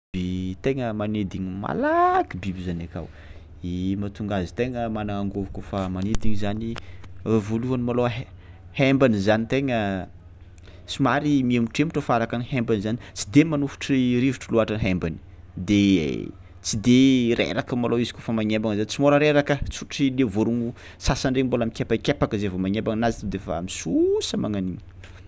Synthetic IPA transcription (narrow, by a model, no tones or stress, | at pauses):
b̥et̪eŋəmaned̪iɲima̰lakibibizanaka̰w | imat̪uŋɡazi̥t̪eŋəmanaŋaŋɡovukʲofamaned̪iɲzani | voluanimaloɦ | hembanizanit̪eŋə | t͡simaɾimiamiʈ͡ʂemuʈ͡ʂəfaɾakanihembanizanit͡sid̪emanufu̥ʈ͡ʂiɾiviʈ͡ʂəluaʈ͡ʂanɦembani̥ | d̪e | t͡sid̪eɾḛɾakəmaloizi̥kʲofamaɲembaŋzanit͡simoɾəɾeɾakət͡suʈ͡ʂilevoɾuŋu | sasaɳɖ͡ʐeŋimbolamikʲepakʲepakəzevomaɲembaŋnazit̪ud̪efa̰a̰misusəmaŋaniɲə